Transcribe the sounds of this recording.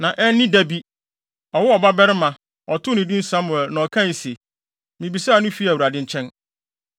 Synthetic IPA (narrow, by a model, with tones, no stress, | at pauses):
nã˨ʔɛ˦n˦nɪ̃˦dæ˦bi˦ | ɔ˨wʊ˦ɔ˨ba˦bɛ˦ɾɪ˦mã˨ | ɔ˨tʰʊ˦nɪ̃˨dĩ˦n̩˦sã˦mʊ˨ɛ˨lnã˨ɔ˨kʰã˦ni˨se˨ | mĩ˨bi˨sa˦a˨nʊ̃˦fi˦æ˨u˨ɾa˨dɪ̃˦ɲ̩˦t͡ɕʰɛ̃˦n